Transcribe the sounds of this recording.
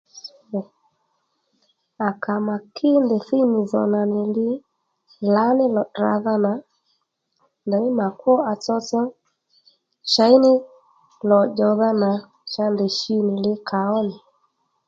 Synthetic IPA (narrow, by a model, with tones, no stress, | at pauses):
a˨kʰa˨ma˨kʰɪ˦ndɛ˨θi˦nɪ˨zɔ̰˨na˨nɪ˨lɪ˦ | la˨˦nɪ˦lɔ˨dɾa̰˨ða˦na˨ | ndɛ˨ɲɪ˦ma˨kwɔ˦a˨t͡sɔ˧t͡sɔ˦ | ʃa˨˦i˦nɪ˦ | lɔ˨d͡ʒɔ˧ða˦na˨ | ʃa˧ndɛ˨ʃi˦nɪ˨lɪ˦kʰa˨ɔ˦nɪ˨